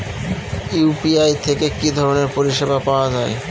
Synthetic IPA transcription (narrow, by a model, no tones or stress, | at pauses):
upiajt̪ʰekekid̪ʱɔɾoneɾpoɾiʃebapaoad͡ʑae